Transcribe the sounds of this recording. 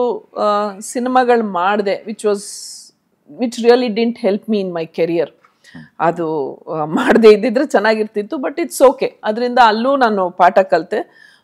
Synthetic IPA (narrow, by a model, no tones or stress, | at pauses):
sinimaɡɐɭmaːɽd̪e̞ʋit͡ʃʋɐːz | ʋit͡ʃɾiɐliɖɪɖɳʈhelpmiːnmɐjkɐɾijɐɾ | ɐd̪umaːɖd̪eːid̪id̪ɾet͡ʃɛnːaːɡiɾt̪it̪ːubɐʈiʈsoːke̞ɐd̪ɐɾind̪ɐːlːuːnaːnupaːʈɐkɐlt̪e